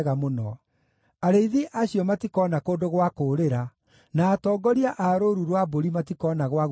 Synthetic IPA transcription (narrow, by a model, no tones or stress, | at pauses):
ɣamonɔ̰ | aɾeiðiʔaɕiɔmatikɔːnakoːndoɣwakoːɾeɾa | naːtɔːɡɔɾiaʔaɾoɾuɾwaboɾimatikɔnaɣwaɣ